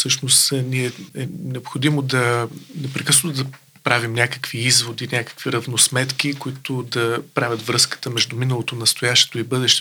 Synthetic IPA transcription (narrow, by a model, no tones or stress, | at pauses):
fsɤʃnost̪niɛɛnɛopxod̪imod̪ɐnɛpɾɛkɤsnot̪od̪ɐ | pɾavimnʲakə̥kviizvod̪inʲakə̥kviɾɐvnosmɛt̪k̟ikoit̪ʊd̪ɐpɾavʲɐt̪vɾɤskə̥t̪əmɛʒd̪uminəlˠot̪onɐst̪ojaʃt̪ɛ̥t̪oibɤd̪ɛʃt̪ɛ